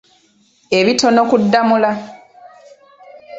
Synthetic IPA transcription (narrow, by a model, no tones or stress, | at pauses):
e̞βito̞no̞kudːamula